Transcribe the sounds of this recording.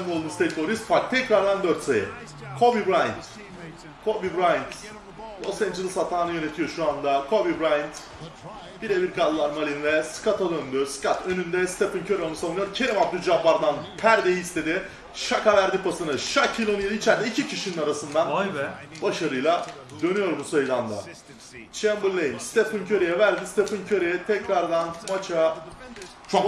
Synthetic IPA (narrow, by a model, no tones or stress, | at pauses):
mmolˠd̪umist̪ʰeklo̞ɾist̪fak̚t̪ʰɛcɾaɾld̪and̪øɾt̪sejɛ̰ | kʰo̞bibɾajnt̪ | kʰo̞bibɾajnt̪ | lˠo̞̰sɛnd͡ʒilˠishat̪ʰaːnɯjø̞ne̞t̪ʰijo̞ʃuand̪akʰo̞bibɾajnt̪ | b̥iɾebiɾkʰalˠlˠaɾmalʲinvɛskʰat̪ʰad̪ønd̪yskat̪ʰø̞nynd̪ɛst̪ʰepɯncʰøɾonusavunɯjoɾcʰeɾimap̚d̪yd͡ʒabaɾd̪anpʰæɾd̪ejist̪ʰe̞d̪ɪ | ʃakavæɾd̪ipʰasɯnɯʃacʰːilʲonijeliit͡ʃʰæɾd̪ɛicʰicʰiʃininaɾasɯnd̪an | baʃaɾɯjlˠa | d̪ø̞nyjo̞ɾbusajɯd̪and̪a̰ | t͡ʃʰɛmbɯɾlʲˠejimst̪ʰefɯncʰø̞ɾijɛvæɾd̪ist̪ʰefɯncʰø̞ɾejɛt̪ʰɛcɾaɾd̪anmat͡ʃʰa | t͡ʃʰok